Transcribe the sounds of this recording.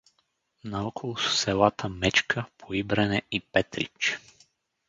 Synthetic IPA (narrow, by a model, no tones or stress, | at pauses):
naɔkʰolˠʊssɛlˠat̪əmɛt͡ʃkʰəpʰoibɾɛnɛipɛt̪ɾḭt͡ʃ